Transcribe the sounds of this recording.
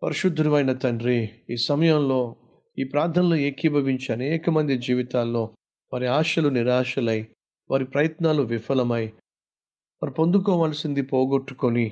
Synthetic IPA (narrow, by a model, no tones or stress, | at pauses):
pɐɾiʃud̪ʱːɾuʋɐjnɐt̪ɐɳɖɾiiːsɐmɐjɐmlo̞ː | iːpɾaːɾd̪ʰʱɐnlueːkibʱɐʋiɲt͡ʃiɐneːkɐmɐnd̪id͡ʒiːʋit̪aːlːo̞ː | ʋaːɾiaːʃɐluniɾaːʃɐlɐji | ʋaːɾipɾɐjɐt̪naːluʋifɐlɐmɐji | ʋaːɾipo̞nd̪ukɔːʋaːlɐsind̪ipoːɡoʈːukoni